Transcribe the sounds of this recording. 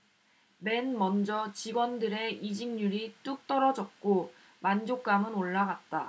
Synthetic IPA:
me̞nmʌnd͡ʑʌt͡ɕiɡwʌndɯɾe̞id͡ʑiŋɲuɾit͈uk̚t͈ʌɾʌd͡ʑʌt̚k͈o | mand͡ʑok̚k͈amɯnoɭːaɡat̚t͈a

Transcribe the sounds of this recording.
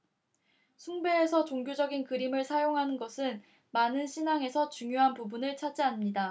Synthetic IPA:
sʰuŋbe̞ːsʰʌt͡ɕoŋɡjod͡ʑʌɡinkɯɾimɯɭsʰajoŋɦanɯnɡʌsʰɯn | manɯnɕʰinaŋe̞sʰʌt͡ɕuŋjoɦanpubunɯɭt͡ɕʰad͡ʑ͈ianmɲida

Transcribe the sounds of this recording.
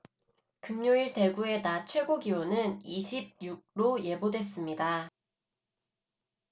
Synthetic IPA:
kɯmɲoiɭte̞ɡue̞nat͡ɕʰwe̞ɡoɡiwonɯniɕʰib̚juɡ̚ɾoje̞bodwe̞s͈ɯmɲida

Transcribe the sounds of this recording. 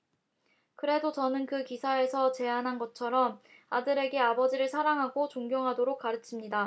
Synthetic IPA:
kɯɾe̞dot͡ɕʌnɯnkɯkisʰae̞sʰʌt͡ɕe̞anɦanɡʌt͡ɕʰʌɾʌm | adɯɾe̞ɡe̞abʌd͡ʑiɾɯɭsʰaɾaŋɦaɡot͡ɕoŋɡjoŋɦadoɾok̚k͈aɾɯt͡ɕʰimɲida

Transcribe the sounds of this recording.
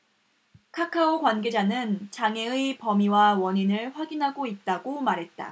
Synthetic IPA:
kʰakʰaokwanɡe̞d͡ʑanɯnt͡ɕaŋe̞ɯipʌmiwawʌɲinɯɭɸwaɡinɦaɡoit̚t͈aɡomaɾɦe̞t̚t͈a̰

